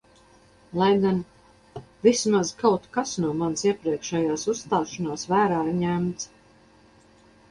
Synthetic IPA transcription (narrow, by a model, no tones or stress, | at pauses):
lˠajɡan | vismazkawt̪kasnuɔmansiɛpɾiɛkʃɛjaːsusst̪aːʃanaːsvæːɾaːiɾɲæmt̪s